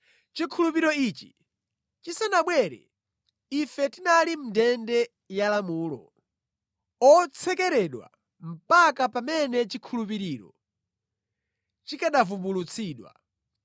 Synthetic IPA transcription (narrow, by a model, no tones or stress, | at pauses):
t͡ʃikʰulup̬iɾɔit͡ʃi̥ | t͡ʃisanaɓwɛɾɛ̰ | ifɛtinalim̩ndɛndɛ | jalamuːlɔ̰ | ɔt͡sʰɛkɛɾɛɗwa̰ | m̩pakapamɛnɛt͡ʃikʰulup̬iɾiːɾɔ̰ | t͡ʃikaɗavumbulut͡sʰiːɗwa̰